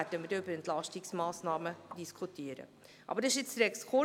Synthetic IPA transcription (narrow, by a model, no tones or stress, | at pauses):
ædəmədybəɾɛntlɑʃtɪksmɑːsnɑːməd̥iskʰutiəɾə̰ | ʔɑ̰bəɾɪʃjɪt͡sdɾɛkskʰo